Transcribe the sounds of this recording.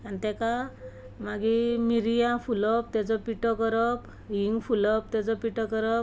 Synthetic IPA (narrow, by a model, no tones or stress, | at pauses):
ant̪ɛka | maɡimiɾijãfulɔp̚t̪ɛt͡sɔpiʈɔkəɾɔp | ɦiŋɡfʰulɔp̚t̪ɛt͡sɔpiʈɔkəɾɔp